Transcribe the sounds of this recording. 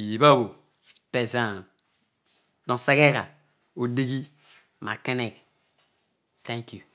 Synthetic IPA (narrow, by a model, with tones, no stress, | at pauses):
ji˨ba˦˨wo˨ | pe˨zã˦ | dɔ̃˨sa˦ke˦ka̰˨ | o˨de˦ɡi˦ | ma̰˨ke˦nɛ˨k | tɛ̃˦ŋkju˨